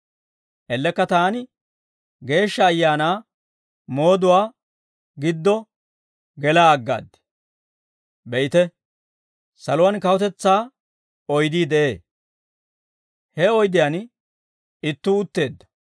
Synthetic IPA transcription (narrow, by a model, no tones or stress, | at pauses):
ʔɛlːɛkːɐt̪aːnɪ | ɡe̞ːʃːɐːjːaːnaː | mo̞ːd̪ʊwaː | ɡɪd̪ːɔ | ɡɛlaːɐɡːa̰ːd̪ːɛ̥ | bɛjɪt̪ɛ | sɐlʊwankɐwɔt̪ɛt͡sːaː | ɔjd̪iːd̪ɛʔeː | hɛɔjd̪ɪjan | ɪt̪ːuːt̪ːe̞ːd̪ːɐ̥